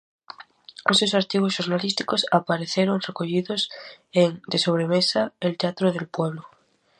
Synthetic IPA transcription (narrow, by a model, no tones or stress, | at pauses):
osewsaɾt̪iɣozʃoɾnalist̪i̥kosapaɾeθeɾoŋrekoʎiðoseŋd̪eso̞β̞ɾemesaelt̪eat̪ɾoð̞elpwe̞β̞lo